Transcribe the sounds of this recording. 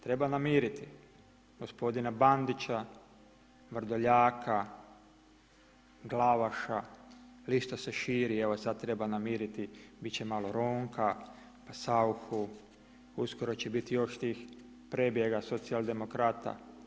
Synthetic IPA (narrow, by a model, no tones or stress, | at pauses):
t̪ɾe̞banamiːɾit̪i | ɡ̥o̞spo̞d̪inaband̪it͡ɕa | ʋr̩d̪oʎaːkʰa | ɡlaʋaʃaliʃt̪aseʃiːɾieʋosad̪̚t̪ːɾe̞banamiːɾit̪ibitt͡ɕemalo̞ɾoːŋka | pasauxu | uskoɾo̞t͡ɕebit̪ijo̞ʃt̪iːx | pɾe̞bje̞ɡaso̞t̪sialˠd̪e̞mokɾaːt̪a̰